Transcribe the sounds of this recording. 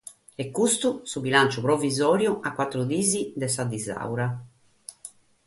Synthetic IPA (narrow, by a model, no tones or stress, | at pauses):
ɛkːust̪usubilant͡ʃupɾɔvizɔːɾjuʔakːwat̪ːɾud̪iːzid̪ɛsad̪iza̰wɾa